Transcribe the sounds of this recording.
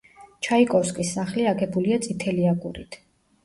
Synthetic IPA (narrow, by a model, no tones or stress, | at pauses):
t͡ʃʰaikʼɔfskʼisːaχliaɡɛbuliat̪sʼit̪ʰɛliaɡuɾit̪ʰ